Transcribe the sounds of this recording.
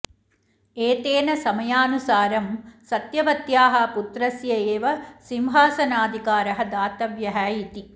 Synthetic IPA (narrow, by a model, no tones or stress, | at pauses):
eːt̪eːnɐsɐmɐjaːnusaːɾɐmsɐt̪jɐʋɐt̪jaːɦɐput̪ɾɐsjɐeːʋɐsimɦaːsɐnaːd̪ʱikaːɾɐɦɐd̪aːt̪ɐʋjɐɦæːjit̪i